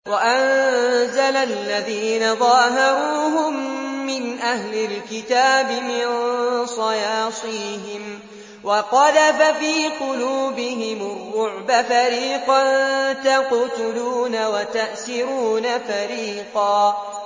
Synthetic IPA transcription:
waʔanzalalːaðiːnaðˤɑːɦɑɾuːɦʊmːɪnʔahlɪlkɪt̪aːbɪmɪnsˤɑjɑːsˤiːɦɪm | wɑqɑlafafiːqʊluːbɪɦɪmʊrˤːʊʕbafaɾiːqɑnt̪aqʊt̪ʊluːnawat̪aʔsɪɾuːnafaɾiːqɑː

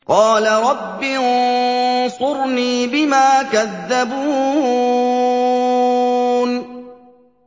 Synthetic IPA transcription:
qɑːlaɾˤɑbːiʊnsʊɾniːbɪmaːkaðːabuː | n

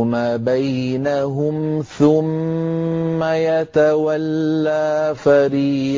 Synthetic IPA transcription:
maːbajnaɦʊmθʊmː | ajat̪awalːaːfaɾiː

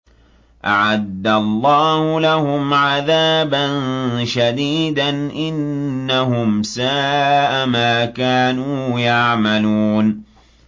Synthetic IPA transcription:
ʔa̰ʕad̪ːalˤːɑːhʊlahʊmʕaðaːbanʃad̪iːd̪anʔɪnːahʊmsaːʔamaːkaːnuːjaʕmaluːn

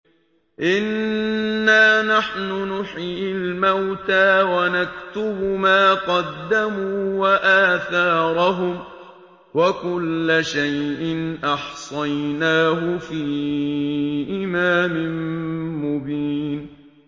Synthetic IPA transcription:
ʔɪnː | aːnaħnʊnʊħiːlmawt̪aːwanakt̪ʊbʊmaːqɑd̪ːamuːwaʔaːθɑːɾˤɑɦʊm | wakʊlːaʃajʔɪnʔɑħsˤɑjnaːɦʊfiː | ʔɪmaːmɪnmʊbiːn

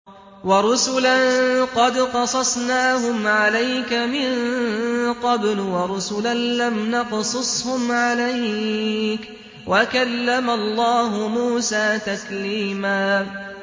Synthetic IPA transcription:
wɑɾˤʊsʊlanqɑd̪qɑsˤɑsˤnaːhʊmʕalajkamɪn | qɑblwɑɾˤʊsʊlanlamnɑqsˤʊsˤhʊmʕalaj | k | wʔakalːamalˤːɑːɦʊmuːsaːt̪akliːmaː

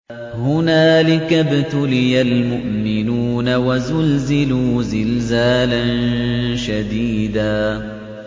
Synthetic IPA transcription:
hʊnaːlɪkabɪt̪ʊlɪjalmʊʔmɪnuːnawazʊlzɪluːzɪlzaːlanʃad̪iːd̪aː

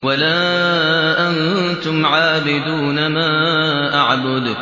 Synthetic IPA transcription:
walaː | ʔan | t̪ʊmʕaːbɪd̪uːnamaː | ʔaʕbʊd̪

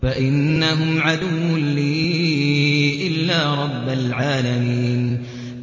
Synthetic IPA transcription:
faʔɪnːaɦʊmʕad̪ʊwːʊnliː | ʔɪlːaːɾˤɑbːalʕaːlamiːn

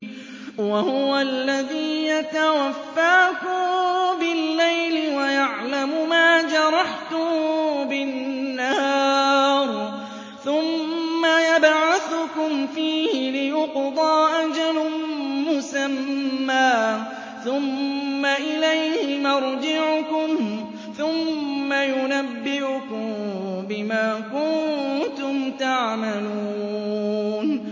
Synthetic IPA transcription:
wahʊʊwalːaðiːjat̪awafːaːkʊbɪlːajlɪwajaʕlamʊmaːd͡ʒɑɾˤɑħt̪ʊbɪːahɑːɾˤ | θʊmːajabʕaθʊkʊmfiːhɪlɪjʊqd̪ˤɑːʔad͡ʒalʊmʊsamːaː | θʊmːaʔɪlajhɪmɑɾˤd͡ʒɪʕʊkʊm | θʊmːajʊnabːɪʔʊkʊmbɪmaːkʊnt̪ʊmt̪aʕmaluː | n

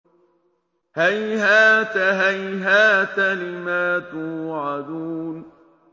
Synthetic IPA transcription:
hajhaːt̪aɦajɦaːt̪alɪmaːt̪uːʕad̪uːn

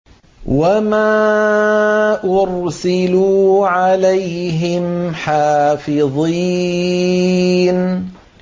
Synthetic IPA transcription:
wamaː | ʔʊɾsɪluːʕalajɦɪmħaːfɪðˤi | n

